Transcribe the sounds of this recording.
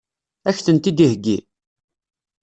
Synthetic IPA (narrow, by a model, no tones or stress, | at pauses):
æçθənt̪id̪ihɡːi